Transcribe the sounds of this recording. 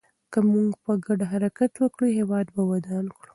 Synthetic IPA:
kəmuŋɡpəɡaɖɦaɾakat̪wəkɽuɦewɑd̪bawad̪ɑnkɽu

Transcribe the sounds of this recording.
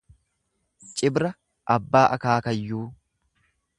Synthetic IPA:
t͡ʃʼɪbɾɐ | ʔɐbːaːʔɐkaːkɐjːuː

